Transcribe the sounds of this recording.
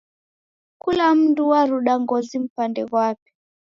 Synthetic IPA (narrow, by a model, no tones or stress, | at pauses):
kulam̩nduwaɾuɗaŋɡɔzim̩pandɛkwapi̥